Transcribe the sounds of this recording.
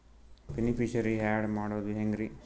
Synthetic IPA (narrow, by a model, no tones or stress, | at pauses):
benipiʃɐɾiɦaːɖmaːɽuʋɐd̪uɦeŋɡɾi